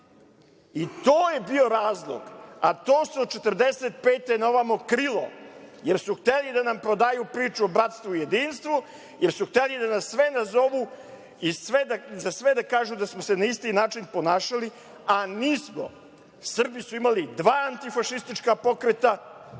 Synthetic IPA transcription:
it̪oːje̞bio̞ɾaːzlˠo̰ɡat̪oːsot͡ʃet̪r̩d̪eset̪̚peːt̪enoʋamokɾilo̰jeɾsuxt̪elid̪anampɾod̪aːjupɾiːt͡ʃuobɾat̪st̪ʋuije̞d̪iːnst̪ʋu | jeɾsuxt̪elid̪anasːʋenazo̞ʋu | isʋed̪azasʋed̪akaːʒud̪asmosenaist̪inaːt͡ʃinpo̞naːʃali | aniːsmo̰ | sr̩bisuimalid̪ʋaːant̪ifaʃist̪it͡ʃkapo̞kɾet̪a

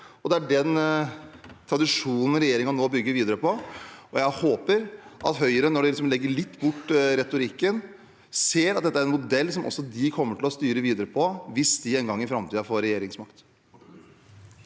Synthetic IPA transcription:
ɔd̪ɛæɖɛn | t̪ʰɾɑd̪ɪʂuːnən̩ɾɛjeːɾɪŋɑnoːbʏɡːəɾʋiːd̪əɾəpʰɔʔɔjæɪhoːpəɾʔɑt̪ɦœʏəɾənɔɖɛlɪks̬ɔmlɛɡːəɭɪt̪ːbʊʈːɾɛt̪ʊɾɪkːən | seːɾɑt̪̚d̪ɛt̪ːəæɾɛnmʊd̪ɛlːsɔmʔɔ̰sːɔd̪ɪkʰɔmːəʈʰɪlɔst̪yːɾəʋiːd̪əɾəpʰɔʋɪsd̪ɪɛːnɡɑŋːɪfɾɑmt̪iːɑfoːɾɛjeːɾɪŋsmɑkt̪

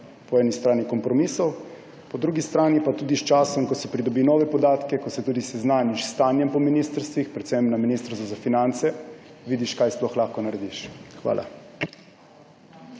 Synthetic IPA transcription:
pɔɛːnist̪ɾaːnikɔmpɾɔmiːsɔw | pɔd̪ɾuɡist̪ɾaːnipat̪uːd̪ist͡ʃaːsɔmkɔsɔpɾid̪ɔbinɔːʋɛpɔd̪aːt̪kɛkɔsɛt̪uːd̪isɛznaːniʃst̪aːnjɛmpɔminist̪əɾst̪ʋixpɾɛt̪sɛmnaminist̪ɾst̪ɔzafinant̪sɛʋiːd̪iʃkaːjsplɔxlaːxkɔnaɾɛd̪iʃxʋa̰ːlʔa̰

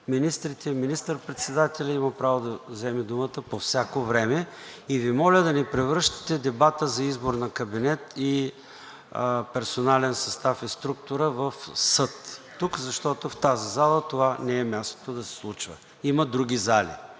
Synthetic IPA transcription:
minist̪ɾit̪ɛiminist̪əɾpɾɛt̪sɛd̪at̪ɛlʲɐimɐpɾavod̪ɐzɛmɛd̪umət̪əpofsʲakovɾɛmɛ | ivimɔlʲəd̪ɐnipɾɛvɾɤʃt̪ɐ̥t̪ɛd̪ɛbat̪əzɐizboɾnɐkɐbinɛt̪i | pɛɾsonalɛnsɐst̪afɛst̪ɾuk̚t̪ʊɾəvɐfsɤt̪ː | ukzɐʃt̪ɔt̪oft̪azizalˠət̪ovanɛɛmʲjast̪o̥t̪od̪ɐsɛ̥slˠut͡ʃvə̰ | iməd̪ɾuɡʲizalḭ

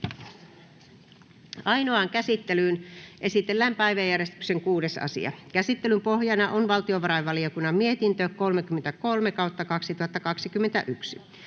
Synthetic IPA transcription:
ɑinoɑŋkæsit̪ːelynʔe̞sit̪elːæmpæjʋæjːærjest̪y̥kseŋkuːdesɑ̰sḭɑ̰kæsit̪ːelympohjɑnɑʔonʋɑlt̪ioʋɑɾɑjʋɑliokunːɑmmiet̪int̪øko̞lmekymːent̪æko̞lmekɑwt̪ːɑkɑksit̪uhɑt̪ːɑkɑksikymːent̪æ̰ʔyksi

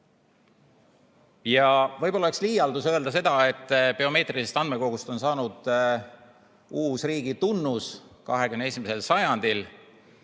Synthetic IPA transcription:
jɑvɤjb̥o̞lɑeksliːjɑld̪usø̞eld̪ɑse̞d̪̥ɑe̞t̪ːˑpe̞o̞me̞ːt̪riise̞st̪ɑnd̪meko̞ɡ̥ust̪o̞nsɑːnud̪̥ | uːsriːɡ̥it̪unːuskɑɦe̞kymneesʲimese̞lsɑjɑnd̪̥il

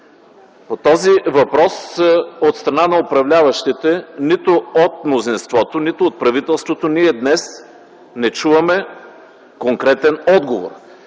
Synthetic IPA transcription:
pot̪ɔzivɐpɾɔsot̪st̪ɾɐnanɐopɾɐvlʲavɐʃt̪it̪ɛnit̪oot̪̚mnozinst̪vɔt̪onit̪oːt̪̚pɾɐvit̪ɛlˠst̪vot̪oniɛd̪nɛs | nɛt͡ʃuvɐmɛ | koŋkɾɛt̪ɛnɔd̪ɡovo̰ɾ

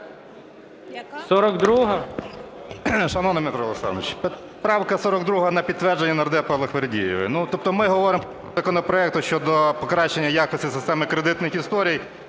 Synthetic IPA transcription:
sɔɾɔɡd̪ɾuɦɐ | ʃɐnɔnɐmet̪ɾɔlˠeksɑ̰nʋet͡ʃpet̪ | pɾɑwkɐsɔɾɔɡd̪ɾuɦɐnɐpʲid̪t̪ːʋɛrd͡ʒenʲːɐnɐrd̪ɛpɐlˠɔxʋeɾdʲḭjɪ̰ʋɪ̰nut̪ɔp̚t̪ɔmɪɦɔʋɔɾɪmpɔ | ɐkɔnɔpɾɔɛk̚t̪ʊʃt͡ʃɔd̪ɔpɔkɾɑʃt͡ʃːenʲːɐjɑkɔsʲtʲisɪst̪ɛmɪkɾed̪ɪt̪nɪxist̪ɔɾʲij

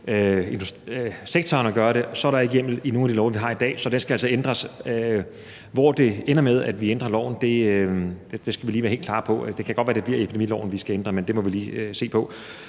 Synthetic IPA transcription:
øe̝nd̥usseɡ̥̚t͡sʰɒːnɒɡ̥ɶːɐɾe̝sɒ̽ɾɑeɡ̥jem̰l̩ino̝ːnæd̥ilɒʊʋiɦɑ̈id̥ɛ̰ːsɒ̽d̥ensɡ̥æælsɒ̽end̥ʁɐs | ʋɒd̥e̝enɐmeðˠæd̥ʋiend̥ʁɐlɒʊ̰n̩d̥e̝̥ | d̥e̝sɡ̥æʋiliːʋæɐhe̝̰lkʰlɑ̰̈ːpʰɒ̽d̥e̝kʰæ̥ɒd̥ʋæːɐd̥ebliɐiepʰid̥emḭːlɒ̰ʊn̩ʋisɡ̥æend̥ʁɐmend̥e̝mɒ̽ʋiliːøse̝̰ːpʰɒ̽

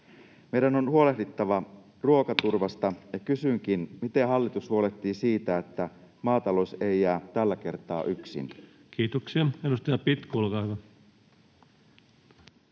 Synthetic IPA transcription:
me̞jdæno̞nhuo̞le̞ɦdit̪ːɑʋɑ | ruo̞kɑt̪urʋɑst̪ɑjɑkysyŋk̟inmit̪e̞ɦɑlːit̪ushuo̞le̞t̪ːiːsiːt̪æet̪ːæ | mɑːt̪ɑlo̞sejæːt̪ælːæke̞rt̪ɑ̰ːʔyksḭn | kiːt̪oksiɑenːust̪ɑjɑpit̪kulkɑykɑ

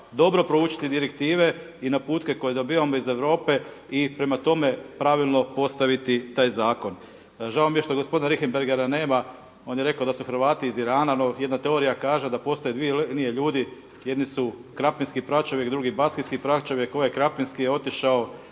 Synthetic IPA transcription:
d̪o̞bɾo̞pɾouːt͡ʃi̥t̪id̪iɾekt̪iːʋe | inapuːt̪ke̞ko̞jed̪o̞biːʋamo̞ize̞ʋɾo̞ːpe̞ | ipɾe̞mat̪o̞me̞pɾaʋilˠno̞po̞st̪aʋit̪it̪aːjzaːko̞n | ʒaomijeʃt̪oɡospo̞d̪inɾixembeɾɡeɾane̞ːma | o̞ːnjeɾe̞kaod̪asuxɾ̩ʋaːt̪iːziɾaːnanoje̞d̪nat̪e̞o̞ɾijakaːʒe̞d̪apo̞st̪ojed̪ʋienie̞ʎuːd̪i | jed̪nisukɾapminskipɾat͡ʃoʋjekd̪ɾuɡibaskinskipɾat͡ʃoʋjekːoekɾapminskijeo̞t̪iʃao

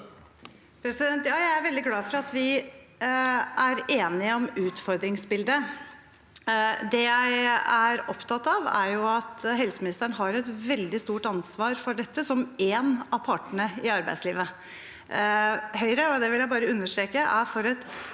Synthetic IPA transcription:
pʰɾɛsɪd̪ɛnt̪jɑːjæɪæɾʋɛld̪ɪɡlɑːfɔɾɑt̪ʋɪ | ʔæɾeːnɪəɔmʉːt̪fɔɾd̪ɾɪŋsbɪld̪ə | d̪ɛjæɪæɾɔpt̪ʰɑt̪ːɑʋæ̰ɾjʊɑt̪ɦɛlsəmɪnɪst̪əɳəɦɑɾɛt̪ʋɛld̪ɪst̪uːʈɑnsʋɑːɾfɔɖɛt̪ːəsɔmeːnɑʋpʰɑːʈəɳəɪɑɾbæ̰ɪsliːʋə | hœʏɾəɔd̪ɛʋɪljæɪbɑːɾəʉnːəʂtɾeːkəʔæfɔɾɛt̪

